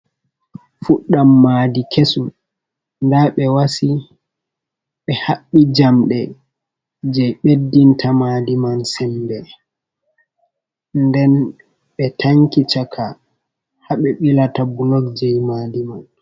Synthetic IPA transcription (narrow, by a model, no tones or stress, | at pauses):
fuɗːamːaːdikʰesu | ndaɓɛwasi | ɓɛhaɓːid͡ʒamɗɛ | d͡ʒɛjɓedːintʰamadimansɛmbɛ | ndɛn | ɓɛtʰaŋkit͡ʃakʰa | haɓɛɓilatabulɔkd͡ʒɛjmadiman